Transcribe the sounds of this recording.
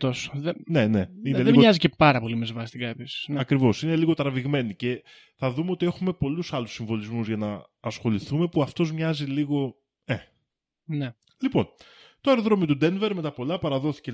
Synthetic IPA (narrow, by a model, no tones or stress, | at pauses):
osðene̞ne̞ineleimoɲɐzicepɐɾɐpo̞limezvɐst̪iɡɐepisnɐkɾivo̞sine̞liɣo̞t̪ɾɐviɣme̞nice̞ | θɐðumeo̞t̪ie̞xume̞po̞lusɐlusiɱvo̞lizmuzʝɐnɐː | sxo̞liθume̞puɐft̪o̞zmɲɐziliɣo̞ | e | ne | lipo̞n | t̪oeɾoðɾomit̪ud̪e̞nve̞ɾme̞t̪ɐpo̞lɐpɐɾɐðo̞θi̥ce